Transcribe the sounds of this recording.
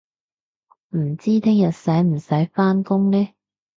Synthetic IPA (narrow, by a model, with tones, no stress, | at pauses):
m̩˨˩t͡siː˥t̪ʰɪ˥ŋjɐ˨t̚sɐ˨˥jm̩˨˩sɐ˨˥jfaː˥nkʊ˥ŋnɛː˥